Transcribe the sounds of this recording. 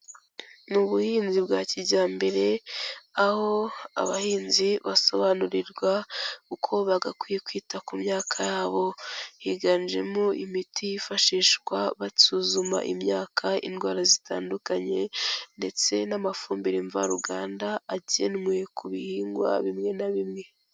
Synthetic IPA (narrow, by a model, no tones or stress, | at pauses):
nuβuhiːnzibɡaːciɟaːmbe̞ɾe̞aho̞a̰βahiːnziβaso̞βanuɾiɾɡwaukʰo̞βaɡakwijekwiːtakumɲaːkʰajaːβo̞hiɡand͡ʒe̞̰moʔimitʰijifaʃiːʃkwaβasuːzuma̰ʔḭmɲaːkʰaḭnɡwaːɾazita̰ːndukaɲe̞nde̞t͡se̞namafuːmbiɾiɱva̰ɾuɡa̰ːndaːɟenmwe̞kuβihiːŋɡwa̰βimŋe̞naβimŋe̞